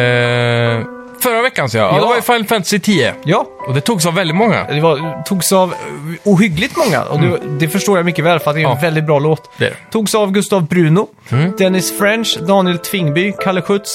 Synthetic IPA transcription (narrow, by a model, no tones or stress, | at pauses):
fœɾavɛkːansoːja̰d̪ɛvajfɛnfɛmt̪sɪt̪ʰiːə̰jɑːɔd̪ɛt̪ʰuːɡs̬ɑvːɛld̪ɪt̪mɔŋːa̰d̪ɛvat̪ʰuːɡsɑvuːɦʏɡlɪɡ̚t̪mɔŋːa̰ʔɔ̰d̪ɛd̪ɛfœʂʈoːɾjamʏkːəvɛːlfœɾat̪d̪ɛɾnvɛld̪ɪt̪̚bɾɑːloːt̪t̪ʰːuːɡsɑvɡɵst̪ɑvbɾʉ̟ːnʊ | d̪̥ɛnɪsfɾɛnʂd̪ɑːnɪɛlt̪ʰvɪŋːbʏkʰaləɧɵt̪s